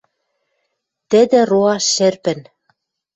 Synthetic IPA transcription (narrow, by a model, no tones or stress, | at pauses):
t̪ɘ̆d̪ɘ̆roɑʃɘ̆rpɘ̆n